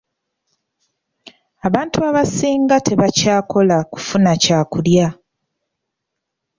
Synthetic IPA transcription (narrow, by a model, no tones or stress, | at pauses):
aβaːntuaβasiːŋɡatʰe̞βacaːkʰo̞laku̥funacaːkulja